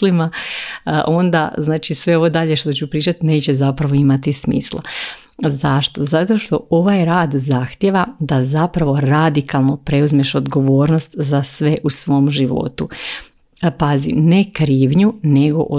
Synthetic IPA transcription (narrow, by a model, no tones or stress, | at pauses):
lima | ʔo̞nd̪a̰znaːt͡ʃisʋe̞o̞ʋo̞d̪aʎe̞ʃt̪ot͡ɕupɾiːt͡ʃat̪ine̞ːt͡ɕe̞zapɾaʋo̞imat̪ismḭːslˠa̰ | zaʃt̪o̞zat̪o̞ʃt̪o̞o̞ʋajɾaːd̪zaxt̪jeʋad̪azapɾaʋo̞ɾad̪ikalˠnopɾe̞uzmeʃo̞d̪ɡo̞ʋo̞ːɾnost̪zasʋe̞ʔusʋo̞ːmʒiʋo̞̰t̪u | pazḭmne̞kɾiːʋɲune̞ɡo̞̰ʔ